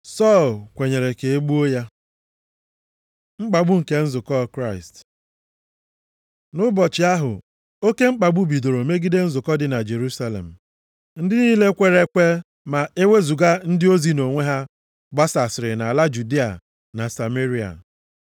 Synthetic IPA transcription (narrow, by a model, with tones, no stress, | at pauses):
sɔ˦˨lkʷe˨ɲe˨ɾe˨ke˨e˦ɡ͡bu˦o˦ja˦ | ŋ͡m̩˦k͡pa˨ɡ͡bʊ˦ŋ̩˨ke˦n̩˦zʊ˨kɔ˦kɾa˦ɪ˨st | nʊ˦bɔ˨t͡ʃɪ˨a˦ɦʊ̰˨ | o˦ke˦ŋ͡m̩˦k͡pa˨ɡ͡bʊ˦bi˨do˨ɾo˨me˦ɡi˦de˦n̩˦zʊ˨kɔ˦dɪ˨na˨d͡ʒe˨ɾu˦sa˦lḛ˨m̩˨ | n̩˦dɪ˦niː˦le˦kʷe˦ɾe˦kʷe˦ | ma˨e˦we˦zu˨ɡa˦n̩˦dɪ˦o˦zi˦no˨ŋʷe˦ɦa˦ | ɡ͡ba˦sa˨sɪ˨ɾɪ˨na˨la˦d͡ʒu˨di˦a̰˨ | na˨sa˨me˦ɾi˦a̰˨